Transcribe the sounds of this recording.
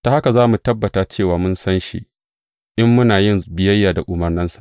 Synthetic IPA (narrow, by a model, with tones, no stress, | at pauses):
taː˨ha˦ka˨zaː˦mu˨tɐ˦bːɐ˨taː˨t͡ʃeː˦˨waː˨mʊ˦nsɐ˦nʃḭ˦ʔ | ʔɪ˦mːʊ˦naː˨jɪ˦nbɪ˨jɐ˦jːaː˨da˨ʔʊ˨mɐ˨rnɪ˦nsḁ˨ʔʔ